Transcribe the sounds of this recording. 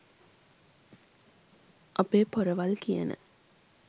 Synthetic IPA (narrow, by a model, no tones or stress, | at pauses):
ʔɐpeːpoɾəʋɐlkijə̰nʔə̰